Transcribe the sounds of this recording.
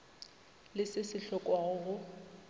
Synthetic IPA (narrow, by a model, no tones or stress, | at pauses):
lɪsɪsɪɬɔkʼwaɣʊɣʊ